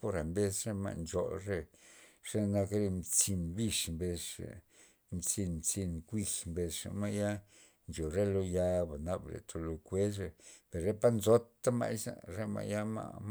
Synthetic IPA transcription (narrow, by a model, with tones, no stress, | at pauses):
po˧ɾa˨mbe˧sɾe˦ma̰˧ʔnd͡ʒo˨ɾe˦ʂe˦na˧kɾe˦˧mt͡si˧nbi˧ʂmbe˧ʂḛ˨ | mt͡si˧nmt͡si˧nkʷi˧xmbe˧sʂa̰˨ma˦ja˦ | nd͡ʒo˨ɾe˦lo˧ja˧ba˨na˧blḛ˨t̪ʰo˧lo˧kʷe˦sɾe˧pe˨ɾɾe˦pa˦nzo˦t̪ːa˦ma̰˦jsa̰˨ɾe˦ma̰˧˨ja˦ma̰˧m